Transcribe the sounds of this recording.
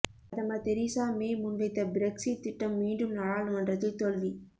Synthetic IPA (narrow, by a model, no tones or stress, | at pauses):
ɐðɐmɐt̪ɛɾiːsaːmeːmʊnʋɐɪt̪ːɐbɪɾɛksiʈ̚t̪ːɪʈːɐmːiːɳɖɯmnɐɽaːɭɯmɛndrɐt̪ːɪlt̪ɔlʋi